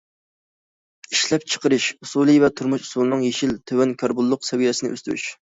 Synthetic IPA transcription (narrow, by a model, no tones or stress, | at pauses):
iʃlɛp̚t͡ʃʰə̥qʰəɾɨʃusulˠɨvɛt̪ʰuɾmuʃu̥sulˠɨnɨŋjeʃilt̪ʰøwɛnkʲʰɑɾbulˠːʊqsɛwijɛsɪnɪ̰ʔø̰st̪ɾy̰ʃ